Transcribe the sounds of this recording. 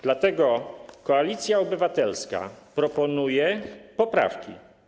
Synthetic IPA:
d̪lat̪ɛɡɔkɔalʲit̪sʲjaɔbɘvat̪ɛlska̰pɾɔpɔnujɛpɔpɾa̰fkʲḭ

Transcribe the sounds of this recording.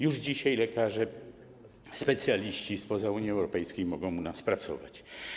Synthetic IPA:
juʐd͡ʑiɕajlɛkaʐɛ | spɛt̪sʲjalʲiɕt͡ɕispɔzauɲjiɛwɾɔpɛjskʲejmɔɡɔ̃w̃unaspɾat̪sɔ̰va̰t͡ɕ

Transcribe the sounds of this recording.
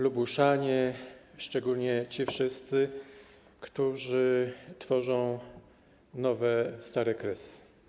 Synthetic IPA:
lubuʂaɲɛ | ʂt͡ʂɛɡulɲɛt͡ɕifʂɘst̪sɘ | kt̪uʐɘt̪fɔʐɔ̃w̃ | nɔvɛst̪aɾɛkɾɛs

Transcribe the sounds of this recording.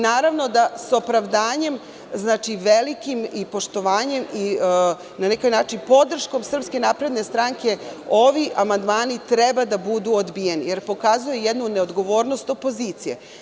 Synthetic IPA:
naːɾaʋno̞d̪aso̞pɾaʋd̪aːɲe̞m | znaːt͡ʃiʋelikimipo̞ʃt̪o̞ʋaːɲe̞mi | nanekojnaːt͡ʃinpo̞d̪r̩ʃko̞msr̩pske̞naːpɾe̞d̪ne̞st̪ɾaŋke̞o̞ʋiʔamand̪maːnit̪ɾebad̪abud̪uod̪bijenije̞ɾpo̞kaːzujejed̪nuneo̞d̪ɡo̞ʋoːɾno̞st̪o̞po̞ziːt̪sijḛ

